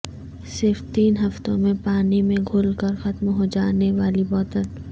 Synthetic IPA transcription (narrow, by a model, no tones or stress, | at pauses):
sɪɾft̪iːnɦɐft̪õmẽpaːnimẽɡʱʊːlkəɾxɐt̪mɦod͡ʒaːneʋaːlibɔːt̪ən